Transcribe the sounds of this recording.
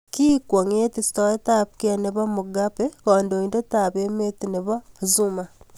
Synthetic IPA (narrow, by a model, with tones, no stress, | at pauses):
kiː˦kwo˨ŋe˦tistoe˦tapkia˨neβa˦muɡapekoː˨ndo˨inde˦taβe˦me˦tine˨βa˦zuma